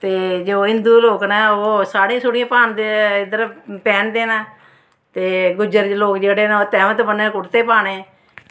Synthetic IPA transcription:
t̪eːd͡ʒoːɦɪnd̪uːloːknaːoːsaːɽĩːsʊɽɪ̃jãːpaːnd̪ed̪əɾpɛːnd̪eːnaː | t̪eːɡʊd͡ʒəɾloːkd͡ʒeːɽeːnaːt̪ɛːmt̪ːbənːeːkʊɽt̪eːpaːneː

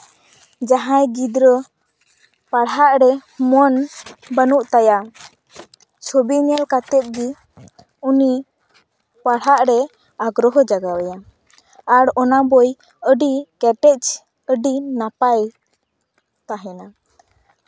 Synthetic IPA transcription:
d͡ʒaɦãjɡid̪ɾə | paɽaʔɾɛmɔnbənuʔt̪aja | t͡ʃʰobiɲɛlkat̪ɛp̪̚ɡi | uni | paɽaʔɾɛ | aɡɾɔɦɔd͡ʒaɡawɛja | aɽɔnabɔj | əɖikɛʈɛt͡ʃ | əɖinapaj | t̪aɦɛna

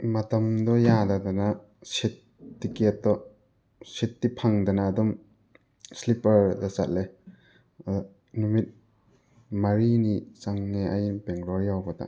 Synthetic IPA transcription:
mɐt̪ɐmd̪ɔjad̪ad̪ana | sit̪̚ː | iket̪̚d̪ɔ | sit̪̚ːipʰaŋd̪ɐnaːd̪ɔm | slipɐɾd̪asa̰t̚le | numit̪̚ | mɐɾinit͡ʃaŋneʔajinpeŋɾɔɾjawbɔt̪a̰

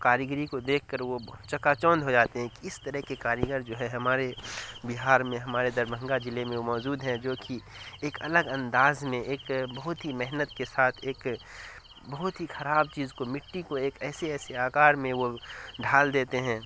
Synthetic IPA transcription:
kaːɾjəɡɾikod̪eːkʰkəɾʋot͡ʃɐkat͡ʃɔ̃ːnd̪ɦod͡ʒaːt̪eɦɛ̃kiɪst̪əɾəɦkekaːɾjəɡəɾd͡ʒoːɦɛɦɐmaːɾebɪɦaːɾmẽɦɐmaːɾed̪ɐɾbə̃ŋɡad͡ʒɪlemẽomɔːd͡ʒuːd̪ɦɛ̃d͡ʒoːkʰieːkɐləɡɐ̃nd̪aːzmẽʔeːkbɐɦʊt̪ɦimɛɦnət̪kesaːt̪ʰeːk | bɐɦʊt̪ɦixɐɾaːbt͡ʃiːzkomɪʈːikoeːkɛːseɛːseaːkaːɾmẽʋoɖʱaːld̪eːt̪eɦɛ̃ː

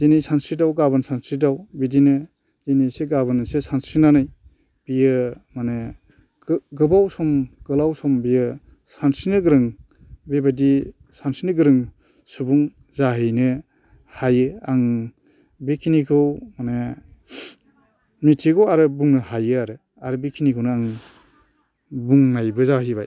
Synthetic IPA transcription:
denijsansɾidawɡabɯnsansɾidawbidinɯ | deniseɡabɯnɯsesansɾinanaj | b̥ijɯmane | ɡɯbawsɔmɡ̥ɯlawsɔmbijɯ | sansinɯɡɯɾɯŋ | bebadi | sansinɯɡɯɾɯŋ | subuŋ | zaɦijnɯ | hajɯaŋ | bekʰinikʰɯwmanɯ | mitʰiɡɔwaɾɯbuŋnɯhajɯaɾɯ | aɾɯbikʰinikʰɯwnɯaŋ | buŋnajbɯzaɦibaj

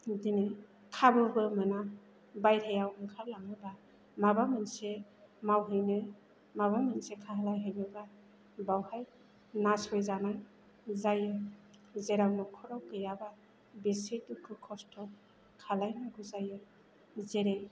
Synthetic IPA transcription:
dini | kʰabɯbɯmɯna | bajɾʰejawɯŋkʰaɾlaŋɯba | mabamɯnsemawɦɯjnɯ | maβamɯnsekʰaɦalajɦɯjnɯba | bawhaj | nasɔjzanaj | zajɯzeɾawnɔkʰɔɾawkɯjaba | bisetukʰɯkʰɔstʰɔ | kʰalajnaɡuzajɯ | zeɾej

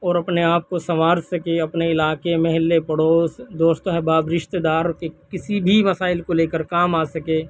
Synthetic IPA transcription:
ɔːɾɐpneaːp̚kosɐʋaːɾsɐkeɐpneɪlaːkemɐɦɪlːepɐɽoːsd̪oːʃt̪õɦɛbaːbɾɪʃt̪ed̪aːɾkekɪsibʱimɐsaːɪlkoleːkəɾkaːmaːsɐkeː

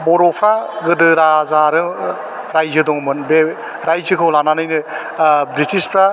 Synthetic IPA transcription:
bɔɾɔpʰɾaɡɯdɯɾazaɾɯ | ɾajzɯdɔŋmɯnbe | ɾajzɯkʰɯwlananɯjnɯ | bɾitʰispʰɾa

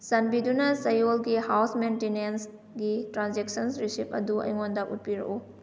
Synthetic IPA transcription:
sɐnbidunɐsɐjolɡihawsmentenens | ɡitɾanzek̚sɐnsɾisipɐ̰duɐ̰jŋondɐṵt̚piɾɐ̰ʔu

